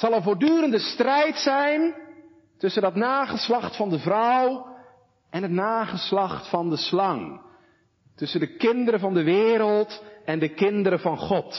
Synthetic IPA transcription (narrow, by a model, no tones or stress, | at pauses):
sɑlˠənvoːɹdyːɾəndəstrɛjtsɛjn | tɵsəndɑtnaːχəslɑχtfɑndəvrɔw | ʔɛnɦətnaːχəslɑχtfɑndəslɑŋ | tɵsəndəkɪndəɾəvɑndəʋɪːɾəlˠtʔɛndəkɪndəɾəvɑnχɔt